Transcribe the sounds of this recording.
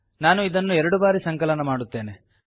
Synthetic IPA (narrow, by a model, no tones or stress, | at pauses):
naːnuid̪ɐnːuɛɾɐɽubaːɾisɐŋkɐlɐnɐmaːɽut̪ːe̞ːne̞